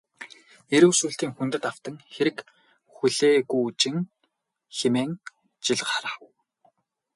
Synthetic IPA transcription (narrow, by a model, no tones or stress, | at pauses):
eɾɘ̆wsuːɬt̪iːŋxunt̪ɘ̆t̪aw̥t̪ə̆ŋxeɾɘ̆k | xuɮeːɣujut͡ɕɪ̆ŋ | xemeːŋ | t͡ɕiɮqaɾaːw